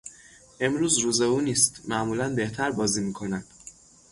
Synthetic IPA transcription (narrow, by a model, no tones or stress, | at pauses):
ʔe̞mɾuːzɾuːze̞uːniːst̪mæʔmuːlænbe̞ht̪ʰæɾbɒːziːmiːkʰo̞næd̪̥